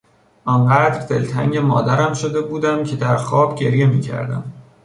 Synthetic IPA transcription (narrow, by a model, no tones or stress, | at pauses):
ʔɒnɢæːd̪ɾd̪e̞lt̪ʰæŋɟe̞mɒːd̪æɾæmʃo̞d̪e̞buːd̪æmcʰe̞d̪æɾxɒːbɟe̞ɾje̞miːcʰæ̰ɾd̪æ̰m